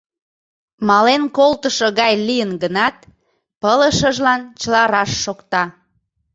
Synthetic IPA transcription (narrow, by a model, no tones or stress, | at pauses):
mɑlenkolt̪əʃoɣɑjlijənɡənɑt̪ | pələʃəʒlɑnt͡ɕəlɑɾɑʃːokt̪ɑ